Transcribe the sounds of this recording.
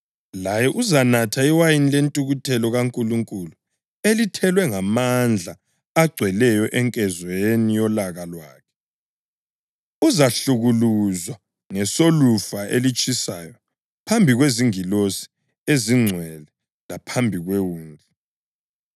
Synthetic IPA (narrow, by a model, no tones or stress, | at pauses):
lajɛʔuzanatʰaiwajinilentʼuɣutʰɛlɔɣaŋkʼuluŋkʼulu | elitʰɛlwɛŋamand͡ɮʱa | aɡ͡ǀʱwɛlɛjɔʔɛŋkʼɛzwenijɔlaɣalwa̰ːkʰɛ̥ | uzaɬuɣuluzwa | ŋɛsolufaʔelit͡ʃʼisa̰jɔ | pʰambʱiɣweziŋilosi̥ | eziŋ͡ǀʱwɛlɛ | lapʰambʱiɣwewuːnd͡ɮʱɛ